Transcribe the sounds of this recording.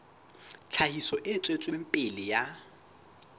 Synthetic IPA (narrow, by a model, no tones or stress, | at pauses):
t͡ɬʰaɦisɔʔɪt͡sʼwet͡sʼwem̩pʼɪlɪja